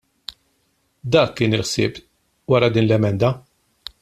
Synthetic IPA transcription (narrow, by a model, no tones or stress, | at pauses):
d̪ɐːkːɪːnɪlħsɪːp | wɐɾɐd̪iːnlɛmɛnd̪ɐ